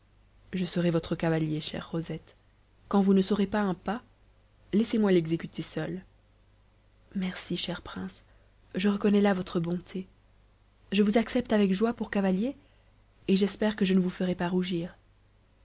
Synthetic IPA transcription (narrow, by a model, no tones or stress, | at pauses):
ʒəsəʁevɔt̪χəkavaljeʃɛ̰ʁːozɛt̪ | kɑ̃vunəsɔʁepaɛ̃pa | lɛsemwalɛɡzekʲyt̪ʰesœl | mɛʁsiʃɛʁpχɛ̃s | ʒəʁəkɔnɛlavɔt̪χəbɔ̃t̪ʰe | ʒəvuzaksɛp̚t̪avɛkʒwapuʁkavalje | eʒɛspɛʁkəʒənəvufəʁepaʁuʒiːʁ